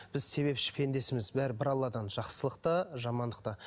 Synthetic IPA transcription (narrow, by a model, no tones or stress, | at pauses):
b̥ɪzse̞βe̞pʃɪ̥pʰe̞nd̪e̞sɪmɪzbæɾbɪɾɑlˠːɑd̪ɑnʒɑqsəlˠəq̚t̪ɑʒɑmɑnd̪əqt̪ɑ